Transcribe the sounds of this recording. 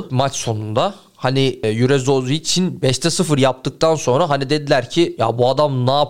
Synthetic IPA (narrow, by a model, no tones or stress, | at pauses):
mat͡ʃso̞nund̪a | hanijyɾɛzo̞ziːt͡ʃʰinbɛʃt̪ʰɛsɯfɯɾjap̚t̪ʰɯk̚t̪ʰanso̞nɾaɦanid̪e̞d̪ilʲæɾcʰija̰buad̪amnaː